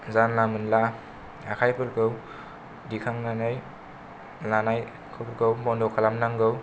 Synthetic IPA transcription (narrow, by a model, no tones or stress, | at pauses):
zanlamɯnla | akʰajpʰɯɾɡɯw | dikʰaŋnanaj | lanaj | kʰɯɾɡɯwbɔndɔkʰalamnaŋɡɯw